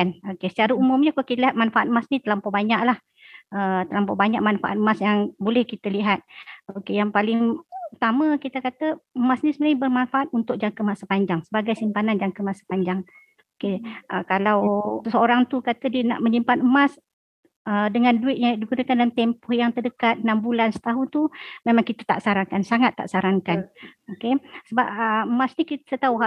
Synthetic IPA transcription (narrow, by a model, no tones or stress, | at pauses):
anokesə̥t͡ʃaɾaumʊmɲəkokit̪əliɦat̪̚manfaʔat̪̚əmasnit̪əlampɔʔbaɲaʔlah | ət̪əlampɔʔbaɲaʔmanfa̰ʔa̰t̪̚əmasjaŋbolɛhkit̪əliɦat̪̚okejaŋpalɪŋut̪aməkit̪əkat̪əəmasnisəməlajbərmanfaʔat̪̚unt̪ʊk̚d͡ʒaŋkəmasəpaɲd͡ʒaŋsəbaɡajsimpanand͡ʒaŋkəmasə̥paɲd͡ʒaŋ | okeʔəkalawsəoɾaŋt̪ukat̪ədiəna̰ʔmə̃ɲimpanəmas | ədəŋanduɪt̪̚jadikunəkandalamt̪ɛmpɔhjaŋt̪ərdəkat̪̚nambulansə̥t̪aɦʊnt̪umẽmãŋkit̪at̪a̰ʔsaɾaŋkansaŋat̪ːa̰ʔsaɾaŋkanokesəbap̚əəmasnikit̪ət̪auɦa